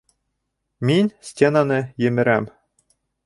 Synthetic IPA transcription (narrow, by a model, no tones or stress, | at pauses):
mʲinʲsʲtʲenɑnĕjɘ̆mʲɘ̆ɾæm